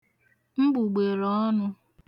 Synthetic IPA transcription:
m̩˦ɡ͡bu˨ɡ͡be˨lɔ˦nʊ˦

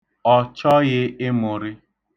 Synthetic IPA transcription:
ɔ˨t͡ʃɔ˦ɣɪ˦ɪ˦mʊ˨ɾɪ˦

